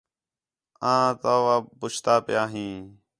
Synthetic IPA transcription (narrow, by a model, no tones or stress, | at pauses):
ãːt̪aːʋaːbʊt͡ʃt̪aːpɪjaːɦĩː